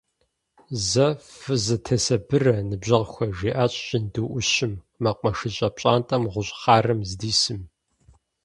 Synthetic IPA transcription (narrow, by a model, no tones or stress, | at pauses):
zɐfɨzɨtʰɐsɐbɨrɐnɨbʑɐʁxʷɐʒiːʔaːɕʼɕɪndɨʔʷʊɕɪmːɐqʷʼɐʂɨɕʼɐp̚ɕʼaːntʼɐmʁʷʊɕʼχɑːrɨmzdiːsɨm